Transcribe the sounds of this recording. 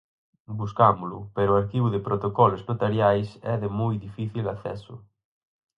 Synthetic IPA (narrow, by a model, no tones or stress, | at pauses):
buskamulupeɾoaɾkiβuðepɾot̪okɔloznot̪aɾjajsɛðemujðifiθilaθɛ̰su